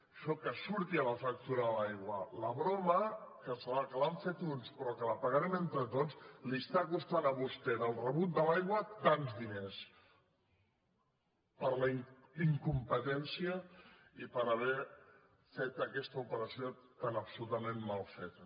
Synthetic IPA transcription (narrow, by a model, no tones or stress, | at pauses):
ʃɔkəsuɾt̪iələfək̚t̪uɾəðəlajɣwələβɾɔməkəsəlakəlaɱfet̪unspɾɔkələpəɣaɾɛment̪ɾət̪ozliəst̪akust̪anəβust̪ɛðəlˠrəβut̪̚d̪əlajɣwət̪anzðines | pəɾləiŋiŋkumpət̪ɛnsiə | ipəɾəβ̞ɛ | fet̪əkɛst̪əupəɾəsiot̪anəpsulut̪əmenmalˠfet̪